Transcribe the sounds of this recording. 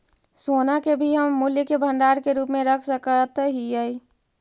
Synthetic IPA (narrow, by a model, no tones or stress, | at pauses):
soːnakebʱiɦəmːuljəkebʱə̃ɳɖaːɾkeɾuːpmẽɾəkʰsəkət̪ɦiəi